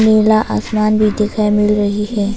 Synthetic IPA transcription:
meːlaʔa̰ːsmaːnbʱid̪eːkʰaːemɪlɾɐɦihɛː

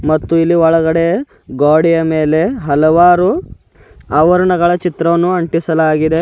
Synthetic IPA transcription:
mɐt̪ːuilːiɔɭɐɡɐɽe̞ɐ | ɡaːɽijɐme̞ːle̞ɦɐlɐʋaːɾu | ɐʋɐɾɐɳɐɡɐɭɐt͡ʃit̪ɾɐʋɐnːuɐɳʈisɐlaːɡid̪e

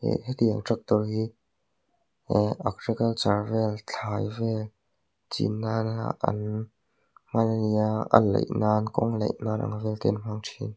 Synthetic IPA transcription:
ḛthid̪iəŋtrak̚t̪ɔrhiː | ʔak̚rikɐlsarvɛlt͡ɬʰaːjvɛl | t͡sḭnːana̰ʔɐ̰n | m̥ananiaʔɐ̰nlḛjnaːnkɔŋlḛjnaːɾa̰ŋvɛlt̪ɛnm̥aŋtʰin

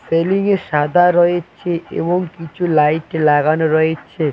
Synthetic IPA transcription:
seliŋeʃad̪ʱaɾɔet͡ɕʰeḛboŋkit͡ɕʰulajʈlaɡanoɾɔet͡ɕʰe

